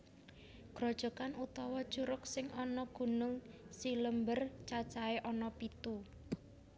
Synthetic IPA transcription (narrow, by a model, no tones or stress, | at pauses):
ɡ̥ɾɔ̤d̥ʒ̥ɔ̤kanut̪ɔwɔ̥ʒ̥uɾʊksɪŋɔnɔɡ̥ṳnʊŋsiləmbərt͡ʃḁt͡ʃaeʔɔnɔpit̪u